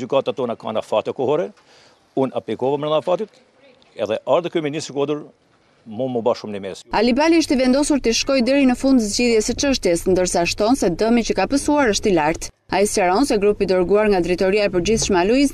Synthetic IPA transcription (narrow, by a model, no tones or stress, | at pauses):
d͡ʒykat̪at̪ɔnaka̰nafat̪ɛkɔhɔɾɛ | una̰plikɔvamnɛnafat̪it̪ | ɛðɛʔaɾðkyminist̪ɾikɔd̪əɾ | munməbaʃumnimɛsalibaliiʃt̪ivɛnd̪ɔsuɾt̪iʃkɔjd̪ɛɾinəfund̪zɟiðjɛsət͡ʃəʃt̪jɛsnd̪əɾsaʃt̪ɔnsɛd̪əmit͡ɕəkapəsuaɾəʃt̪ilaɾt̪ | aislaɾɔnsɛɡɾupid̪ɔɾɡuaɾŋɡad̪ɾit̪ɔɾiaɛpəɾd͡ʑiθʃmaluiz